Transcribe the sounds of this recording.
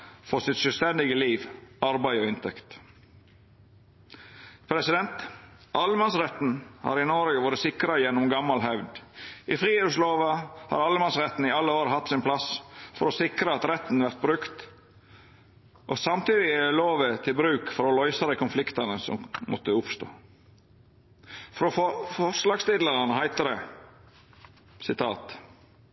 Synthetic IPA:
fɔsɪt̪ʃœlst̪ɛnd̪ɪɡəliːʋɑɾbæɪɔɪnt̪ʰɛkt̪ | pʰɾɛsɪd̪ɛnt̪ɑlːəmɑnsɾɛt̪n̩hɑ̰ːɾɪnɔɾɡəʋoːɾəsɪkɾəjɛnːɔmɡɑmːɑlɦœʋd̪ʔɪfɾiːəsloːʋəhɑ̰ɾɑlːəmɑnsɾɛt̪ːn̩ɪɑlːəoːɾəɦɑt̪ːsɪnpʰlɑsfɔɾɔsɪkɾəɑt̪ɾɛt̪ːn̩ʋæɾt̪̚bɾʉkt̪ | ʔɔsɑmt̪iːd̪ɪloːʋət̪ʰɪlbɾʉːkfɔɾɔlɔʏsɑd̪ɛkʰʊnflɪkt̪ɑnəsɔ̰mmʔɔ̰t̪ːəʊpst̪o̰ː | fɔɾɔfɔfɔʂlɑːɡst̪ɪd̪ləɾɑnəhæɪt̪əd̪ɛ | sɪt̪ʰɑ̰ːt̪

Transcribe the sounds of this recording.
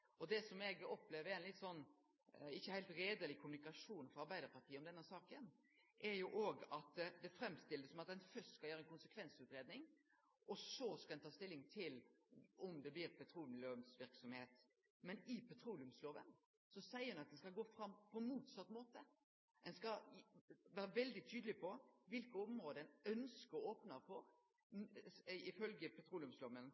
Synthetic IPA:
ɔd̪ɛsɔmɛɡɔpleːʋəɾɛɪnlɪt̪ːsɔnː | ɪçːəhæɪlt̪ɾeːd̪əlɪkʰʊmʉnɪkɑʂuːnfɔɾɑɾbæɪd̪əɾpɑt̪ʰiːəɔmd̪ɛnːəsɑːkən | ʔɛɾjʊʔoːɡɑt̪d̪ɛfɾɛmːst̪ɪld̪əsɔmɑt̪ɛnfœstskɑljøːɾəɛnkʊnsəkʰʋɛnsʉːt̪ɾeːd̪nɪŋ | ʔɔsɔskɑlɛnt̪ʰɑːst̪ɪlːɪŋt̪ʰɪlɔmd̪ɛblɪɾpʰɛt̪ʰɾuːlmləmsʋɪɾksɔmheːt̪ | mɛnɪpʰɛt̪ʰɾuːlɪʉmsloːʋə̰n | sɔsæɪəɾɛnɑt̪̚d̪ɛnskɑlɡoːfɾɑmpʰɔɛnmuːt̪sɑt̪ːmoːt̪ə | ɛnskɑ | ʋæːɾəʋɛld̪ɪt̪ʰyːd̪əlɪpʰɔʋɪlkəɔmʁoːd̪əɛnœnskəɾoːpnəɾfɔɾ | ɪfœlɡəpʰɛt̪ʰɾuːlɪʉmsloːʋən

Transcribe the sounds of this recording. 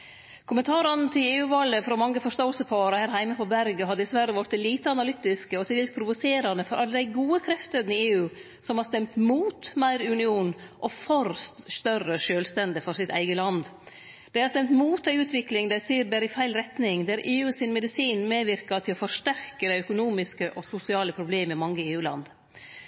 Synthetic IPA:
kʰʊmənt̪ʰɑːɾɑnt̪ʰɪleːʉːʋɑləfɾɔmɑŋːəfɔɾʂt̪oːəlsəpʰɑːɾəhæːɾɦæɪməpʰɔbæɾɡəɦɑd̪ːəɪsʋæɾəʋɔɾt̪ɪliːt̪əɑnɑlʏt̪ːɪskəɔt̪ʰɪlɛːlspʰɾʊʋʊseːɾɑnəfɔɾʔɑlːəd̪æɪɡuːəkʰɾɛft̪əd̪nɪeːʉː | sɔmhɑɾst̪ɛmt̪muːt̪mæɪɾʉnɪuːnʔɔfɔɾsst̪œrəʂøːlst̪ɛnd̪ɪfɔɾsɪt̪ʰæ̰ɪɡəlɑnd̪ | d̪̥æɪhɑɾst̪ɛmt̪muːt̪̚d̪æɪʉːt̪ʋɪklɪŋd̪æɪsiːɾbæːɾɪfæɪlɾɛt̪nɪŋd̪æɾʔeːʉːsɪnmɛd̪ɪsiːnmeːʋɪɾkɑt̪ʰɪlɔfɔɾʂt̪æɾkəd̪æɪœkʊnuːmɪskəʔɔsʊsɪɑːləpʰɾʊbleːməɪmɑŋːəeːʉːlɑ̰nd̪

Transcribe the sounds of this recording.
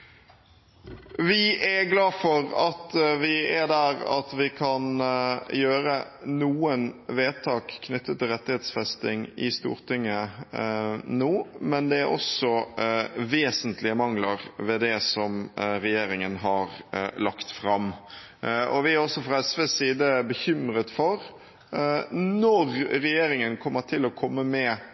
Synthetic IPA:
ʋɪʔæɡlɑːfɔɾɑt̪ʋɪæd̪æɾɑ̰t̪ʋɪkʰɑnjøːɾənuːənʋeːt̪ʰɑːkʰːnʏt̪ʰːət̪ʰːɪlʁɛt̪ːɪheːt̪sfɛst̪ɪŋɪ̰st̪ṵːɾt̪ʰɪŋːə | nuːmɛnd̪ɛæɾɔ̰sɔ | ʋeːsənt̪lɪəmɑŋləɾʋɛd̪ɛsɔmɾɛjeːɾɪŋənɦɑɾlɑkt̪fɾɑm | ʔɔʋɪæɾɔsːɔfʁɑɛsʋeːsiːd̪əbəçʏmɾət̪fɔɾ | nɔɾɾɛjeːɾɪŋənkʰɔmːəʈʰɪlɔkʰɔmːəmɛ

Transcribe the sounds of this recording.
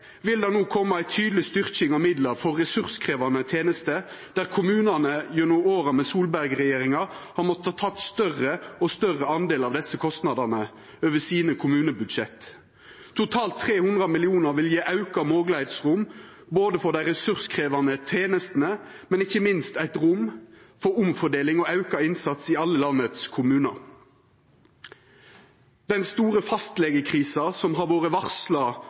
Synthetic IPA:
ʋɪld̪ɑnuːkʰɔmːəæɪt̪ʰyːd̪əlɪst̪ʏʁçɪŋɑʋmɪd̪ləʁfɔʁːɛsʉʁskʰʁeːʋɑnət̪ʰeːnəst̪əd̪̥æːʁkʰʊmʉːnɑnəjʉnʊoːɾɑmɛsuːlbæʁɡʁɛjeːɾɪŋɑhɑʁmɔt̪əɑt̪ʰɑt̪st̪œrəɔst̪œʁəɑnd̪eːlɑʋd̪ɛsːəkʰɔst̪nɑd̪ɑʁnə | øːʋəsiːnəkʰʊmʉːnəbʉd̪ʃɛt̪ː | t̪ʰːʊt̪ʰɑːlt̪ʰːʁeːhʊnd̪ʁɑmɪlɪuːnɑʁʋɪljiːʔɑʉkɑmoːɡləeɪt̪sʁʊm | boːd̪əfɔʁd̪æɪʁɛsʉʁskʰʁeːʋɑnət̪ʰeːnəst̪ən̩ə | mɛnɪçːəmɪnst̪æɪt̪ʁʊm | fɔɾʊmfɔd̪eːlɪŋɔɑʉkɑɪnsɑt̪siɑlːəlɑnːət̪skʰʊmʉːnɑ | d̪̥ɛnst̪uːʁəfɑst̪lɛɡəkʰʁiːsɑsɔmɦɑːʁʋoːʁəʋɑʁslɑ

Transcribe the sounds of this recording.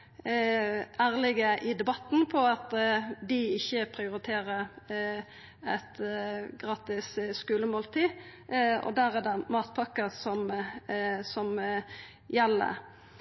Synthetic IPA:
æːʁlɪɡəʔɪd̪ɛbɑt̪ːn̩pʰɔɑt̪d̪ɪɪçːəpʰʁɪʊɾɪt̪ʰeːʁəɾ | ɛt̪ɡʁɑːt̪ɪsskʉːləmoːlt̪ʰiː | ɔ̰d̪æːɾɛd̪ɛmɑːt̪̚pʰɑkːəsɔm | sɔm | jɛlːə̰

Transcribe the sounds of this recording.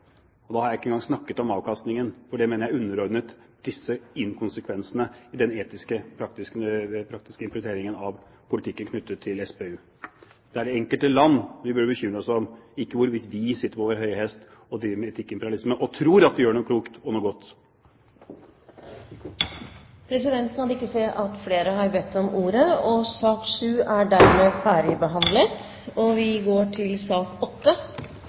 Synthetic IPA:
ɔd̪ɑːhɑɾjæɪɪkːəɛŋɡɑŋsnɑkːət̪ɔmɑːʋkʰɑst̪nɪŋənfɔɖɛmeːnəɾjæɪʉnːəɾɔɾd̪nət̪d̪̥ɪsːəɪnkʰʊnsəkʰʋɛnsənəɪd̪ɛneːt̪ɪskəpʰɾɑkt̪ɪspʰɾɑkt̪ɪskəɪmpɾɛt̪eːɾɪŋənɑʋ | pʰʊlɪt̪ʰɪkːənkʰnʉt̪ːət̪ʰːɪlɛsbeːʉː | d̪̥ɛæɖɛɛŋkəlt̪əlɑnːʋɪbʉɖəbəçʏmːɾəɔsɔmɪkːəʋʊɾʋɪt̪ʋɪsɪt̪ːəpoːʋəɾɦœʏhɛst̪ | ɔd̪imɛɛt̪ʰɪkːɪmpɛɾɪɑlɪsməʔɔt̪ʰɾuːɾɑt̪ʋɪjøːɳuːkʰluːkt̪ɔnuːɡɔt̪ː | pʰɾɛsɪd̪ɛnt̪nɑnd̪ɪkːəseːʔɑt̪fleːɾəɦɑɾbɛt̪ːɔmuːɾəɔsɑːkʂʉːæɖæɾmeːfæːɖɪbəɦɑnd̪lət̪ | ɔʋɪɡoːʈʰɪlsɑːkɔt̪ːə

